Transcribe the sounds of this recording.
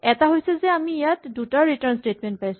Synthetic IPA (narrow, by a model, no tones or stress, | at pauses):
ɛtaɦojsɛzɛamijatdutaɹitaɹnstetmɛnt̚pajsu